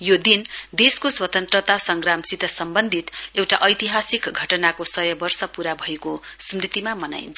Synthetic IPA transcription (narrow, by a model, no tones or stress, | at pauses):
jod̪ind̪eskoswʌt̪ʌnt̪rʌt̪asʌŋɡramsit̪ʌsʌmbʌnd̪ʱit̪ewʈaʔʌjt̪iɦasikɡʱʌʈʌnakosʌjʌbʌrsʌpuɾabʱʌekosmrit̪imamʌna̰jḭnt͡sʰʌ